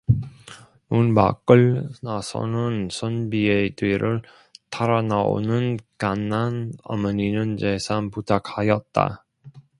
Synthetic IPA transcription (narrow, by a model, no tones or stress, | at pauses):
nunma̰k͈ɯɭnasʰʌ̰nɯnsʰʌnbiedweɾʔɯɭ | tʰaɾanao̰nɯnkanːana̰mʌɲinɯnd͡ʑesʰanputʰak̚hajʌt̚t͈a̰